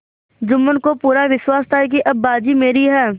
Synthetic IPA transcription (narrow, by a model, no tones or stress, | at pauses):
d͡ʒʊmːənkopuːɾaʋɪʃwaːst̪aːik̬iʔɐbːaːd͡ʒimeːɾiɦɛː